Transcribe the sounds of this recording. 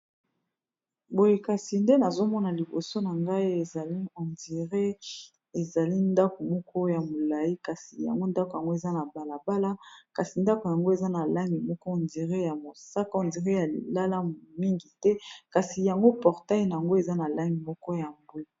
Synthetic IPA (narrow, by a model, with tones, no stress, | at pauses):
bo˨je˨ka˨si˨nde˦na˨zo˦mɔ˦na˨li˨bo˨so˦na˨ŋɡa˦i˦e˨a˨˦o˨ndi˨ʁe˦ | e˨za˨li˦nda˦ko˨mɔ˦kʰɔ˦ja˨mo˨la˨ji˦ka˨si˨ja̰˨ŋɡo˦nda˦ko˨ja˨ŋɡo˦e˨za˦na˨ba˨la˨ba˦la˦ka˨si˨nda˦ko˨ja˨ŋɡo˦e˨za˦na˨la˦ŋɡi˨mɔ˦kɔ˦˨ndi˨ʁe˦ja˨mo˨sa˦ka˦o˨ndi˨ʁe˦ja˨lḭ˨la˦la˦mi˦ŋɡi˨tɛ˦ka˨si˨ja˨ŋɡo˦pɔ˨ʁta˦i˦na˨a˨ŋɡo˦e˨za˦na˨la˦ŋɡi˨mɔ˦kɔ˦ja˨mbu˦i˨